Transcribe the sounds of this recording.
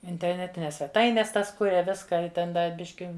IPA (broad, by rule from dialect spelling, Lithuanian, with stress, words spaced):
ɪnʲtʲɛrʲˈnʲæːtʲɪnʲɛs sʲʋʲɛˈtɐɪnʲɛs ˈtɐs ˈkʊrʲɛ ˈʋʲɪskɑː ɪ ˈtʲɛn ˈdɐ ˈbʲɪʃʲkʲɪ